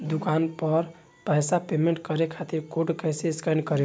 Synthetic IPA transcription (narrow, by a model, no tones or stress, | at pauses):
d̪ukanpəɾ | pəɦsapemeɳʈkəɾekʰat̪iɾkoʈkəjseskənɖkəɾe